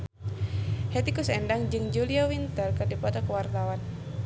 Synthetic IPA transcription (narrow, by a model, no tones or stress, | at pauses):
hɛt̪ikusɛndaŋd͡ʒɨŋd͡ʒuliawint̪ərkədipat̪akəwart̪awan